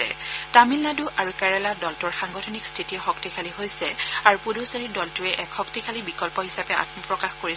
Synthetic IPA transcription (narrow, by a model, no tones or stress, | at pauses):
ɛ̰tamilːaduʔaɹukɛɹɛladɔltʊɹxaŋɡɔtʰɔnikstʰitiɔxɔktikʰaliɦojsɛaɹupudosaɹidɔltʊɛʔɛkxɔktikʰalibikɔlpɔɦisapɛa̰tmɔpɹɔkaxkoɹi